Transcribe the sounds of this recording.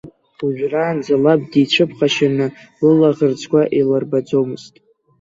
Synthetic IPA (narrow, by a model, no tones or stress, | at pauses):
uʒᶣraːnd͡zalab̚dit͡ʃʷʰɨpχaʃanɨ | lɨlaʁərt͡sʰkʷaʔilarbad͡zomɨz̥tʼ